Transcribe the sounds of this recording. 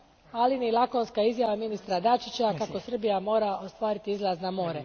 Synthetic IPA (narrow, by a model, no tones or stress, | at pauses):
alinilako̞nskaizjaʋaminist̪ɾad̪at͡ʃit͡ɕakako̞sr̩bijamo̞ːɾao̞st̪ʋaːɾit̪iizlˠaznamo̞ːɾe